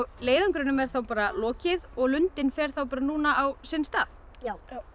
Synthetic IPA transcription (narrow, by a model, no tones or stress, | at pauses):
ɣleːjðaŋkɾʏnʏmɛɾ̥θawpaːɾalɔːcɪðɔɣlʏnt̪ɪnfɛɾ̥θawpaːɾanuːnaʔawsɪnst̪aːð